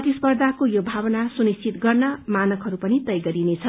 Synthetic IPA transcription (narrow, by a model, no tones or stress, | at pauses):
ʌt̪ispʌrd̪ʱakojobʱabʌnasunist͡sʰit̪ɡʌrnʌmanʌkɦʌɾupʌnit̪ʌjɡʌɾinet͡sʰʌ